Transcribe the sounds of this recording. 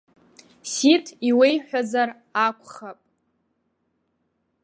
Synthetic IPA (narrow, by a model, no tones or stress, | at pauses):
sitʰiwejħʷᶣazar | akʷʰʼχapʼ